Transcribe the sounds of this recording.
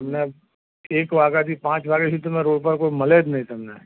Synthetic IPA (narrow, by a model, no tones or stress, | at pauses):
ɐmne | eːkʋaːɡat̪ʰipãːt͡ʃʋaːɡet͡ʃʰit̪ɐmẽɾoːɽpəɾkoːimɐled̪nɐɦĩt̪ɐmnḛ